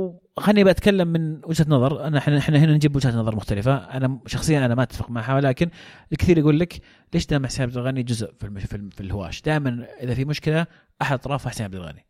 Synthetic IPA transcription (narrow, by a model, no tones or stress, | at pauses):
w | xanːibaʔat̪kalːamːɪnwɪd͡ʒhat̪nɑðˤɑɾˤʔanħnʔħnahɪnand͡ʒɪbwʊd͡ʒhat̪nɑðˤɑɾˤmʊxt̪alɪfaʔanaʃɑxsˤɨjːanʔanamaʔt̪ːafɪqmaʕɦawlaːkɪnɪlkθiːɾaɡuːlːak | leːʃd̪aːmaħsiːnʕabd̪alɣanid͡ʒʊzʔfilfifilhʊwa̰ːʃd̪aːjɪmanʔɪðafimʊʃkɪla | ʔaħad̪t̪ˤɾˤɑːfˤɑːħsinʕabd̪alɣa̰ni